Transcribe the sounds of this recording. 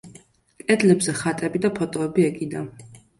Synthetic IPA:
kʼɛd̪lɛbzɛχat̪ʼɛbid̪apʰɔt̪ʼɔɛbiɛkʼid̪an

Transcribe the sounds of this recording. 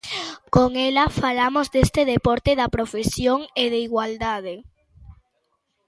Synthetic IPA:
koŋelɐfalamozd̪est̪eðepɔɾt̪eðɐpɾofesjoŋeðeiɣwald̪að̞e

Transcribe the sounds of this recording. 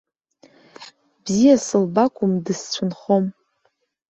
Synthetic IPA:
bzijasɨlbakʷʰʼʊmdɨst͡ɕʷʰʊnχo̞m

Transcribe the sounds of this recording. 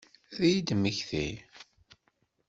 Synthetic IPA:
ðijid̪məçθḭ

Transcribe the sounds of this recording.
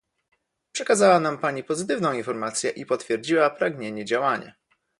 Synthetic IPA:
pʂɛkazawanampaɲipɔzɘt̪ɘvnɔ̃w̃infɔɾmat̪sʲjɛʔipɔt̪fʲjɛɾd͡ʑiwapɾaɡɲeɲɛd͡ʑawaɲa̰

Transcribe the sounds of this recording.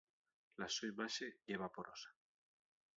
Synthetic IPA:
lasojmaʃeʝeβapoɾʔosḁ

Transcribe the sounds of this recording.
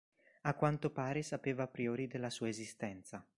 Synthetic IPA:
akːwant̪opaːɾesapeːvapɾioːɾid̪elːasuːaezist̪ɛnt̪sa

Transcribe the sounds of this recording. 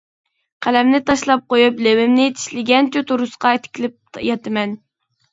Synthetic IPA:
qʰælɛmnɪt̪ʰɑʃlˠɑp̚qojuplewɪmnɪt̪ʰi̥ʃlɪɡʲɛnt͡ʃ̪ʰyt̪ʰuɾusqɑet̪ʰɪ̥kʲʰilɪp̚jɑt̪ʰɨmɛn

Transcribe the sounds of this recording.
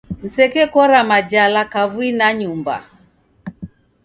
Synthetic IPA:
n̩sɛkɛkɔɾamad͡ʒalakavwinaɲumba̰

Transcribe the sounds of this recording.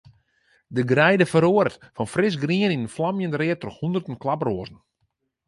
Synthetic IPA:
dəɡrɛjdəfəɾoəɾtfɔnfrɪs̬ɡriəninənflamjəndrɪətrɔxhundərtən̩klabroəzn̩

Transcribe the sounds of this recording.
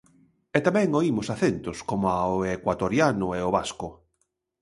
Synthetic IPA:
ɛt̪amɛ̃ŋoimʊsaθent̪ʊskomʊaoekwat̪oɾjanʊeoβaskʊ

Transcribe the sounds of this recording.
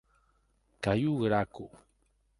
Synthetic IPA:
kajuɣəɾaku

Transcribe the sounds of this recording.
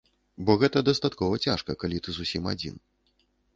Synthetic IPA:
bɔɣɛt̪ɐd̪ast̪at̪kɔvɐt͡sʲaʂkɐkalʲit̪ɨzusʲima̰d͡zʲḭn

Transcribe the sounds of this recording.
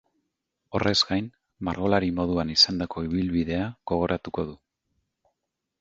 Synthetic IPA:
o̞̰re̞zɡajn | maɾɣo̞laɾimo̞ð̞uanisand̪ako̞iβ̞ilβiðe̞aɣ̥o̞ɣ̞o̞ɾʔat̪uko̞ð̞u

